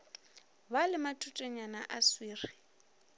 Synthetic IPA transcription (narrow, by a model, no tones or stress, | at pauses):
balɪmatʼutʼeɲanaʔaswiːri